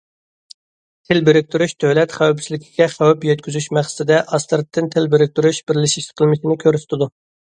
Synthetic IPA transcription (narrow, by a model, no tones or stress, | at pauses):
t̪ʰɪlbɪɾɪk̚ʲt̪ʰyɾyʃd̪øwlɛt̪χæwpsɪlɪkʲʰi̥ɡʲɛχæwɛpjɛt̪̚kʲyzyʃmæχst̪ɪd̪ɛʔɑst̪ɾɨt̪ʰːɪnt̪ʰɪlbɪɾɪk̚ʲt̪yɾyʃbɪɾlɪʃiʃt̪ɪ̥qʰəlˠmɪʃɪnɪkʲʰøɾsɪ̥t̪ʰɪd̪u